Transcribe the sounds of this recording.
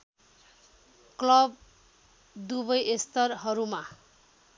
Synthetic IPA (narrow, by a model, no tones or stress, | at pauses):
klʌb̚ | d̪ubʌjest̪ʌrɦʌɾuma